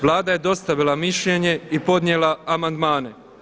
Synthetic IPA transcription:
ʋlˠaːd̪aje̞d̪o̞st̪aʋilˠamiʃʎe̞ɲe̞ipo̞d̪ɲjelaːmand̪maːne̞

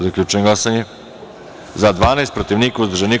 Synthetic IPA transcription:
zaklʎʲuːt͡ʃenoɡlˠasaɲe | zad̪ʋaːnajst̪pɾot̪iʋniːkauzd̪ɾʒeni

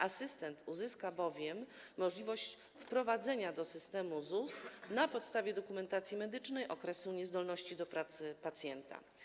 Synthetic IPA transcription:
ʔasɘst̪ɛnt̪uzɘskabɔvʲjɛmːɔʐlʲivɔɕt͡ɕ | fpɾɔvad̪zɛɲad̪ɔsɘst̪ɛmuzusnapɔt̪st̪avʲjɛd̪ɔkumɛnt̪at̪sʲjimɛd̪ɘt͡ʂnɛjʔɔkɾɛsuɲɛzd̪ɔlnɔɕt͡ɕid̪ɔpɾat̪sɘpat̪sʲjɛnt̪a̰

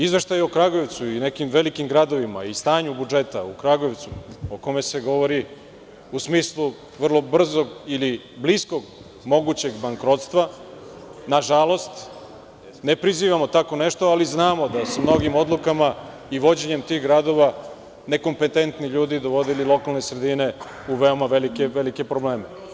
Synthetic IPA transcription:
izʋe̞ʃt̪ajokɾaɡo̞eʋt̪suine̞kimʋe̞likimɡɾad̪o̞ʋimaist̪aːɲubud͡ʒe̞t̪aukɾaɡo̞eʋt̪suoko̞me̞se̞ɡo̞ʋo̞ɾi | usmiːslˠu | ʋr̩lˠo̞br̩zo̞ɡili | blisko̞ɡ | mo̞ɡut͡ɕe̞ɡbaŋkɾo̞t̪st̪ʋa | naʒalˠo̞st̪ | ne̞pɾiziːʋamo̞t̪ako̞ne̞ʃt̪oaliznaːmo̞d̪asumno̞ɡimo̞d̪lˠukama | iʋo̞d͡ʑe̞ɲe̞mt̪iːɣɡɾad̪o̞ʋa | ne̞ko̞mpe̞t̪e̞nt̪niʎuːd̪id̪oʋo̞d̪ililˠo̞kalne̞sɾe̞d̪ine̞ | uʋeomaʋelikeʋelike̞pɾoble̞ːme

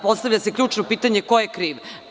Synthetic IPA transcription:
po̞st̪avʎasekʎʲuːt͡ʃnopiːt̪aɲe̞kojekɾiːʋ

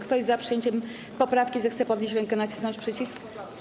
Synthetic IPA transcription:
kt̪ɔjzapʂɨjeɲt͡ɕɛm | pɔpɾafkʲizɛxt̪sɛpɔd̪ɲeɕt͡ɕ̬ɾɛŋkɛnat͡ɕi̥snɔɲt͡ɕʲpʂɘt͡ɕisk

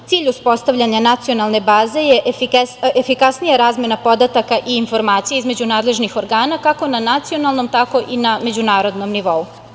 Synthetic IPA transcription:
t̪siːʎuspo̞st̪aʋʎʲaɲanat̪sijo̞nalˠne̞baːze̞jeʔfiefikasnijaɾaːzmʲe̞napo̞d̪at̪akaʔiːnfo̞ɾmaːt̪sijeizme̞d͡ʑunaːd̪le̞ʒnixo̞ɾɡaːnakako̞nanat̪sio̞nalˠno̞mt̪ako̞ʔiname̞d͡ʑunaːɾo̞d̪no̞mniʋo̞u

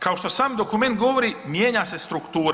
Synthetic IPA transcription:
kʰaoʃt̪o̞saːmd̪o̞kume̞nt̪̚ɡo̞ʋoɾiːmjeːɲase̞st̪ɾukt̪uːɾ

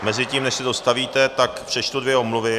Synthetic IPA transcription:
mɛzɪciːmnɛʃsɛdo̞st̪aviːt̪ɛt̪akpr̥ɛʃt̪udvjɛomluvɪ

